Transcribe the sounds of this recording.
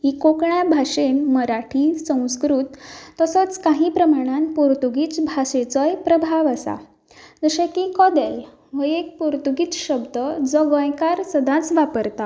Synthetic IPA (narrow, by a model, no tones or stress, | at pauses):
ɦikokɳjabʱaʂenməɾaʈʰisə̃w̃skɾut̪ːəsət͡skaɦĩpɾəmaɽ̃ãnpuɾt̪uɡiːt͡sbʱaset͡sɔjpɾəbʱaʋəsa̰ | d͡zəɕẽkikɔd̪el | ʋəjek̚puɾt̪uɡiːt͡sɕəbd̪əd͡zɔɡə̃jkaɾsəd̪ʱãt͡sʋapəɾt̪a